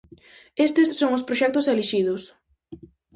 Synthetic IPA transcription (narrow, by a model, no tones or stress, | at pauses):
est̪ɪsːoŋʊspɾoʃɛk̚t̪ʊseliʃið̞ʊs